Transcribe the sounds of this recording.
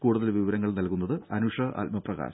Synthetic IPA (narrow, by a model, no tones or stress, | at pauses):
kuːɽuðɐlʋiʋɐɾɐŋːɐɭnɐlkunːɐðɨɐnuʂɐʔɐ̰lmɐprɐɣa̰ːs